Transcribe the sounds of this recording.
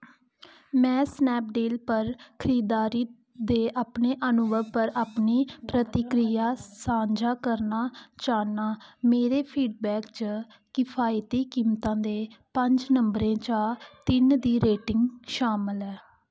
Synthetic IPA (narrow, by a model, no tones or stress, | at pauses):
mɛ̃ːsnɛːp̚ɖeːlpəɾkʰəɾiːd̪aːɾiː | d̪eːʔaːpneːʔənʊʋəʋpəɾaːpniːpɾət̪ɪkɾijaːsãːɲd͡ʒaːkəɾnaːt͡ʃaːnaːmeːɾeːpʰiːɖbɛːkt͡ʃə | kɪpʰaːjt̪iːkiːmt̪ãːd̪eːpəɲd͡ʒnəmbɾẽːt͡ʃaːt̪ɪnd̪iːɾeːʈɪŋɡʃaːməlɛː